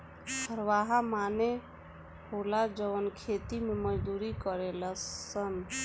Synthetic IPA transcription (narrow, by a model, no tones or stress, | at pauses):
hʰəɾʋaɦamane | ɦolad͡ʒəwənkʰet̪imeməd͡ʒd̪uɾikəɾeləsən